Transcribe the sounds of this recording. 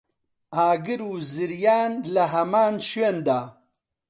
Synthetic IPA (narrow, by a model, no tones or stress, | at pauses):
aːɡɨɾuːzɨɾjaːnlɐɦɐmaːnʃweːnd̪aː